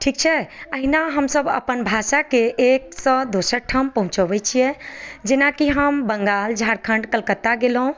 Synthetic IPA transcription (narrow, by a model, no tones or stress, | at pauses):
ʈʰik̚t͡ʃʰɛəɦinaɦəmsəbə̰pənbʱasakeʔek̚sə̃d̪osəɾʈʰəmpəɦũt͡ʃəbɛt͡ʃʰijɛd͡ʒenakiɦəmbəŋɡald͡ʒʱaɾkʰəɳɖkəlkət̪ːaɡelɦũ